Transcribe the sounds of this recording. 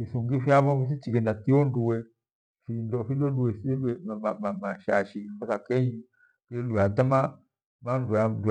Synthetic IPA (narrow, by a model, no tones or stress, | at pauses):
fisuŋɡifiaβɔis̬it͡ʃiɡɛnatiɔnduwɛ | findɔfiloluwɛslɛmmamamaʃa̰ʃimbasakɛɲi | kluatama | manduandu